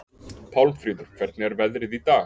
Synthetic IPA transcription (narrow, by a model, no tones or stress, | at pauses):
pʰawlfɾiːðʏɾ̥kʰv̥ɛɾt̪nɪɛɾvɛðɾɪðit̪aː